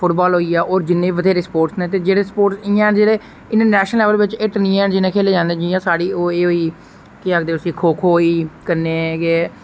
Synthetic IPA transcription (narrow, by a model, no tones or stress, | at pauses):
pʰʊʈbaːlɦoːiːɛːʔoːɾd͡ʒɪnːẽːʋəd̪ʱeːɾeːspoːɾʈsnẽːt̪eːd͡ʒeːɽeːspoːʈsɪãːɛd͡ʒeːɽeː | ɪ̃nʈəɾnɛːʃnəlːɛːʋəlʋɪt͡ʃeʈənĩːɛːd͡ʒɪnẽːkʰeːleːd͡ʒãːnd̪ẽːd͡ʒijãːsaːɽiːoːeːɦoːiː | kɪakd̪eːʊsĩːkʰoːkʰoːiːkəɾneːɡeː